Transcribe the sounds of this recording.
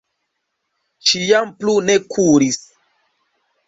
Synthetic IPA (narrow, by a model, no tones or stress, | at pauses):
ʃijamplunekʰuɾis